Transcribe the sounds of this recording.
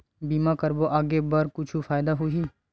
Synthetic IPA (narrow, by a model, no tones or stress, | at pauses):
biːmakɐɾboʔaːɡebɐɾkʊt͡ʃʰufaːjd̪aɦʊiː